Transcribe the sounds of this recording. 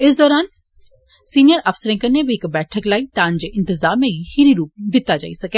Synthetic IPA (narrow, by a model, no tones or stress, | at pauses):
ɪs̬d̪ɔːɾaːn | siːnɪjəɾɐfsəɾẽkəɾnebʱiɪkbɛːʈʰəklaːit̪ãːnd͡ʒeʔɪ̃nt̪ɪzaːmẽɡihiɾiɾuːp̚d̪ɪt̪ːad͡ʒa̰ːisɐkeː